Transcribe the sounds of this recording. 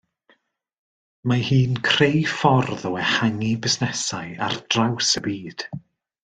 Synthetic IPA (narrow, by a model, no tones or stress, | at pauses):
mahiːnkʰr̥ejfɔrðɔwɛhaŋibɪsnɛsaɨa̰rd̥rawsəbiːd̥